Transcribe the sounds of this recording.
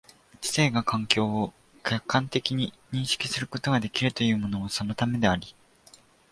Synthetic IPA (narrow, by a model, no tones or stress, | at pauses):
t͡ɕi̥se̞ːɡakãŋkʲo̞ːo | kʲakːãnt̪e̞kʲiɲ̟i | ɲ̟ĩɰ̃ɕi̥kʲi̥sɨɾɯ̟ko̞t̪o̞ɡad̪e̞kʲiɾɯ̟t̪o̞jɯ̟ːmo̞no̞ːsanot̪ame̞d̪e̞aɾʲi